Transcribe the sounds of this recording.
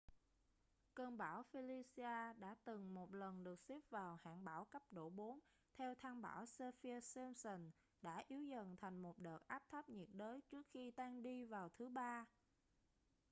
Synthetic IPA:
kəː˧nɓaː˧˩wfi˧li˧si˧aː˧ɗa̰ː˧˥t̪ɨ˨˩ŋmo˨˩t̚lə˨˩nɗɨ˨˩ək̚si˦˥p̚vaː˨˩wha̰ː˧˨nɓaː˧˩wkə˦˥p̚ɗo̰˧˩ɓo˨˦n | t̪ʰɛ˧wt̪ʰaː˧nɓa̰ː˧˩wsə˧fi˧ə˧si˧msə˨˩n | ɗa̰ː˧˥ʔi˨˦əwzə̰˨˩nt̪ʰa˨˩jŋ̟mo˨˩t̚ɗəː˨˩t̚ʔaː˦˥p̚t̪ʰə˦˥p̚ɲi˨˩t̚ɗəː˨˦jt͡ɕɨ˦˥ək̚xi˧t̪aː˧ŋɗi˧vaː˨˩wt̪ʰɨ˨˦ɓaː˧

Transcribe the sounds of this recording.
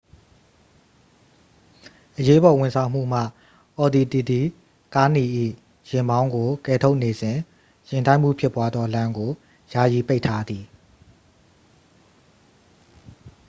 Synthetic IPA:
ʔəje˦bɔ˨wɪ̃˨nsʰã˨ʊ̃m̥ṵ˦˨m̥ä̰˦˨ | ʔɔ˨d̪i˨t̪i˨d̪i˨ | ka˦ni˨ʔḭ˦˨ | jɪ̃˨mbã˦ʊ̃ŋɡo˨kɛ˨tʰo˦ʊʔne˨zɪ̃˨ | jɪ̃˨ntã˦ɪ̃˨m̥ṵ˦˨pʰjɪ˦pːwa˦d̪ðɔ˦lã˦ŋɡo˨ | ja̰˦˨ji˨pe˦ɪʔtʰa˦d̪ði˨

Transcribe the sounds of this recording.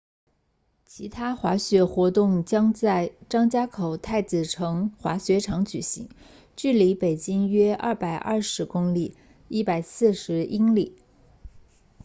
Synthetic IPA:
t͡ɕʰi˧˥t̪ʰa˥xwa˧˥ɕɥɛ˧˥xwɔ˧˥t̪ʊ˥˩ŋt͡ɕjɑ˥ŋt͡sa˥˩ɪʈ͡ʂɑ˥ŋt͡ɕja˥kʰo˨˩ʊt̪ʰa˥˩ɪt͡sɹ̩˨˩ʈ͡ʂʰɤ˧˥ŋxwa̰˧˥ɕɥɛ˧˥ʈ͡ʂʰɑ˧˥ŋt͡ɕy˨˩ɕḭ˧˥ŋ | t͡ɕy˥˩li˧˥pe˨˩ɪt͡ɕi˥ŋɥɛ˥ʔɐ̰˥˩pa˨˩ɪʔɐ̰˥˩ʂɻ̩˧˥kʊ˥ŋli˨˩ | i˥pa˨˩ɪsɹ̩˥˩ʂɻ̩˧˥i˥ŋli˨˩˦

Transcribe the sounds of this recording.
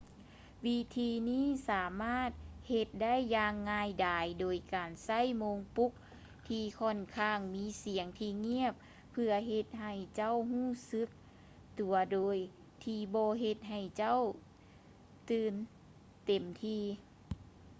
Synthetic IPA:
wiː˧˥t̪ʰiː˧niː˥˨saː˨˩˦maː˥˨t̪̚he˧t̪̚da˥˨jːaː˧ŋːaː˧jdaː˨jdoː˨˩jkaː˨nsa˥˩˨jmoː˧ŋpu˧˦˥k̚ | t̪ʰiː˧kʰɔ˧˥˨nkʰaː˧˥˩ŋmiː˧˥si˨˩˦əŋt̪ʰiː˧ŋi˦˥˩əp̚ʰː | ɯ˧ɐɦe˧t̪̚ɦa˧˩jt͡ɕa˥˨wɦuː˥˩sɯ˧˥k̚ | t̪u˨˩ɐdoː˨j | t̪ʰiː˧bɔː˧ɦe˧t̪̚ɦa˧˨˩jt͡ɕa˥˨w | t̪ɯː˧n | t̪e˨˩mt̪ʰiː˧

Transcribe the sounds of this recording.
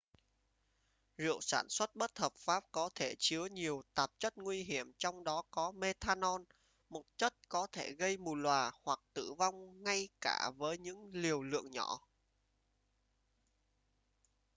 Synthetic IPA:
zɨ̰˧˨əwsaː˧˩nswə˦˥t̚ɓə˦˥t̚həː˨˩p̚faː˦˥p̚kɔ˨˦t̪ʰe˧˩t͡ɕɨ˨˦əɲi˨˩əwt̪aː˨˩p̚t͡ɕə˦˥t̚ŋwi˧ɦi˧˩əmt͡ɕɔ˧wŋ͡mɗɔ˨˦kɔ˨˦me˧t̪ʰaː˧nɔ˧n | mo˨˩t̚t͡ɕə˦˥t̚kɔ˨˦t̪ʰe˧˩ɣə˧jmu˨˩lwaː˨˩hwa˨˩k̚t̪ɨ̰˧˩va˧wŋ͡mŋa˧jkaː˧˩vəː˨˦jɲɨ̰˧˥ŋli˨˩əwlɨ̰˧˨əŋɲɔ˧˩˨

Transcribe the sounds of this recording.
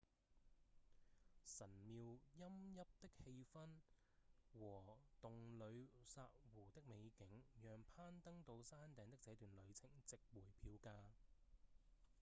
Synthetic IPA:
sɐ˨˩nmiː˨wjɐ˥mjɐ˥p̚t̪ɪ˥k̚he˧jfɐ˥n | wɔː˨˩t̪ʊ˨ŋlɵ˨˧ɥsaː˧t̚wuː˨˩t̪ɪ˥k̚me˨˧jkɪ˨˥ŋjœː˨ŋpʰaː˥nt̪ɐ˥ŋt̪o˨˧wsaː˥nt̪ɛː˨˥ŋt̪ɪ˥k̚t͡sɛː˨˧˥t̪yː˨nlɵ˨˧ɥt͡sʰɪ˨˩ŋt͡sɪ˨k̚wuː˨˩jpʰiː˨˧wkaː˧

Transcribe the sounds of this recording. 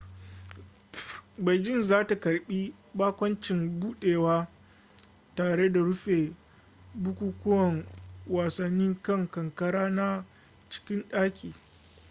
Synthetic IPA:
ba˨jd͡ʒɪ˦˨nzaː˦ta˨kɐ˨rɓiː˦ | baː˦kʷɐ˦nt͡ʃɪ˨mbuː˦ɗeː˨waː˦ | taː˨ɽe˦da˨ɽʊ˦ɸe˨ | bʊ˦kʷuː˦kʷʊ˦wɐ˨ŋwaː˨sɐ˨nːi˦ŋkɐ˦˨ŋkɐ˨ŋkɐ˦ɽaː˦na˦ | t͡ʃɪ̥˦kʲɪ˦nɗaː˦kʲiː˨

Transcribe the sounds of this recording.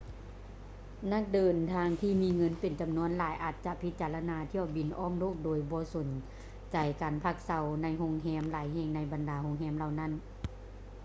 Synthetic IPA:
na˧˥˩k̚dɤː˨˩nt̪ʰaː˧ŋt̪ʰiː˧˨miː˧ŋɤ˧˥˨npe˨˩nt͡ɕa˨mnu˧˥ə˨nlaː˨˦jʔaː˧˩t̪̚t͡ɕa˧pʰi˧˦t̪̚t͡ɕaː˨˩la˧naː˧˦t̪ʰi˧˩əwbi˨˩nʔɔː˧˥˩ŋloː˧˥˩k̚doː˨˩jbɔː˧˦so˨˦n | t͡ɕa˨˩jkaː˨˩npʰa˧˩k̚sa˧˦wna˧˥jɦoː˧ŋɦɛː˧˥˨mlaː˨˦jɦeː˧˩ŋna˧˥jba˨ndaː˨˦hoː˧˥ŋɦɛː˧˥˨mla˧wna˧˥˨n

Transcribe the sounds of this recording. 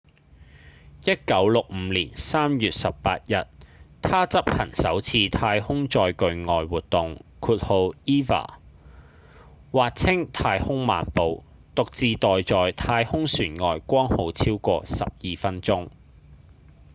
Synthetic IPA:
jɐ˥t̚kɐ˨˥wlʊ˨k̚m̩ː˨˧˦liː˨˩nsaː˥mjyː˨t̚sɐ˨ppa̰ː˧t̚jɐ˨t̚t̪ʰaː˥t͡sɐ˥p̚hɐ̰˨˩ŋsɐ̰˨˥wt͡sʰiː˧t̪ʰaː˧jhʊ˥ŋt͡ʃɔː˧jkɵ˧ɥŋɔː˨jwuː˨t̚t̪ːʊ˨ŋkʰuː˧t̚ho˧wiː˥fa̰ː˨˩ | waː˨t̚t͡sʰɪ˥ŋt̪ʰaː˧jhʊ˥ŋma̰ː˨npo˨w | t̪ʊ˨k̚t͡siː˨˧t̪ɔː˨jt͡sɔː˨jt̪ʰaː˧jhʊ˥ŋsyː˨˩nŋɔː˨jkʷɔː˥ŋho˨˧wt͡sʰiː˥wkʷɔ̰ː˧sɐ̰˨p̚jiː˨fɐ˥nt͡sʊ˥ŋ

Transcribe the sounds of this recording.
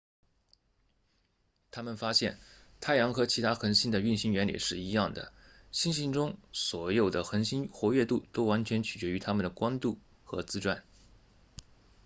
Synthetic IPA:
t̪ʰa˥mə˨nfa˥ɕjɛ˥˩nt̪ʰa˥˩ɪjɑ˧˥ŋxɤ˧˥t͡ɕʰi˧˥t̪ʰa˥xə˧˥nɕi˥nd̪ə˨y˥˩nɕi˥nɥɛ˧˥nlḭ˨˩ʂɻ̩˥˩i˧˥jɑ˥˩ŋd̪ə̰˩ | ɕi˥nɕi˧˥nʈ͡ʂʊ˥ŋswɔ˧˥jo˨˩ʊd̪ə˦xə˧˥nɕi˥nxwɔ˧˥ɥɛ˥˧t̪u˥˩t̪o˥ʊwa˧˥nt͡ɕʰɥɛ˧˥nt͡ɕʰy˨˩t͡ɕɥɛ˧˥y˧˥t̪ʰa˥mə˨nd̪ə˩kwa˥nt̪u˥˩ | xɤ˧˥t͡sɹ̩˥ʈ͡ʂwa̰˥˩n

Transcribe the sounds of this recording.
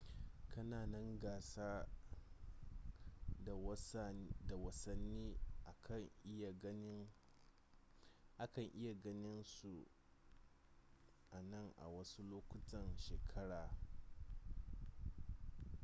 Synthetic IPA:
kʰɐ˦naː˨nɐ˦ŋɡaː˨saː˦ | da˨wɐ˦sɐ˦nːiː˦ʔkɐ˨˦˨ | ʔa˦kɐ˨ŋʔɪ˦ja˨ɡɐ˦nɪ˦nsu˨ | ʔa˨nɐ˦˨ŋʔa̰˨wɐ˦su˦loː˦kʷʊ˦tɐ˨nʃeː˨kʰɐ˦ɽaː˨

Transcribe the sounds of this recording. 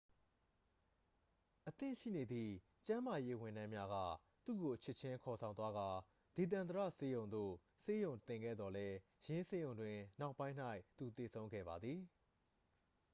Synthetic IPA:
ʔət̪ɪ̰̃˦˨ʃḭ˦˨ne˨d̪ðḭ˦˨ | t͡ɕã˦ma˨je˦wɪ̃˨ndã˦mja˦ɣä̰˦˨ | t̪ṵ˦˨ɡo˨ʔt͡ɕʰɪ˦˨t͡ɕʰɪ̃˦kʰɔ˨sʰã˨ʊ̃nt̪wa˦ɡa˨ | d̥e˨t̪̬ã˨nd̪əɾä̰˦˨se˦jõ˨ʊ̃nd̪o̰˦˨ | se˦jõ˨ʊ̃t̪ɪ̃˨ŋɡɛ̰˦˨d̪ðɔ˨lɛ˦ | jɪ̃˦se˦jõ˨ʊ̃ndwɪ̃˨na˦ʊʔpːã˦ɪ̃n̥a˦ɪʔt̪u˨t̪e˨sʰõ˦ʊ̃ŋɡɛ̰˦˨ba˨d̪ði˨

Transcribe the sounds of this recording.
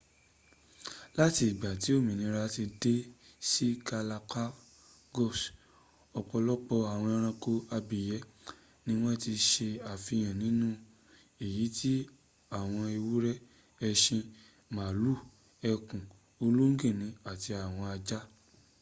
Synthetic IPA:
la˦ti˧i˨ɡ͡ba˨ti˨˦o˦˨mĩ˨nĩ˨˦˧ɾa˧˦ti˧de˦si˦ka˧la˧ka˦ | ɡɔ˦˨s | ɔ˧k͡pɔ˧lɔ˦k͡pɔ˧a˨w̃ɔ̃˧ɾ̃ã˧ko˧a˧bi˨jɛ˨˦ | nĩ˦w̃ɔ̃˦ti˧ʃe˧a˨fi˧j̃ã˨nĩ˨˦nũ˦ | e˦˨ji˨˦tʰi˦ | a˦˨w̃ɔ̃˧i˧wu˦ɾɛ˦ | ɛ˧ʃĩ˧ | mãː˨lu˦˨ | ɛ˧kũ˨ | o˧lu˦ŋ̩˦ɡĩ˦˨nĩ˨˦a˨ti˧a˨w̃ɔ̃˧a˧d͡ʒa˦

